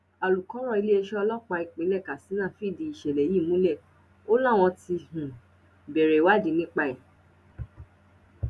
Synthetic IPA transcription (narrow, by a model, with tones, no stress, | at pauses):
a˨lu˨kɔ˨˦ɾ̃ɔ̃˦˨i˧le˦e˦˧ʃɛ˦ɔ˧lɔ˦k͡pa˧i˨k͡pẽ˨˦lɛ˦˨ka˨si˨˦nã˦˨fi˦˨di˨˧i˨ʃe˨le˨ji˦˨mũ˨˦lɛ˦˨ | o˦lɔ˦˨w̃ɔ̃˧ti˧hũ˨ | be˨ɾe˨wa˦di˧˦nĩ˦k͡pa˧˨i˨